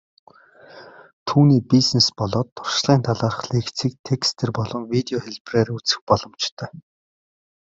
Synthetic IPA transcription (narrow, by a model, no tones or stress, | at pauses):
t̪ʰuːniːpisnespɔɮɔːt̪ːʊr̥ʃɮ̥iːnt̪ʰaɮaːrə̆χɮeːkt͡siːk̚t̪ʰekst̪ʰerpɔɮɞ̆ŋwit̪eɔxeɮpreɾut͡sɘ̆x̚pɔɮɞ̆mt͡ɕt̪ʰœː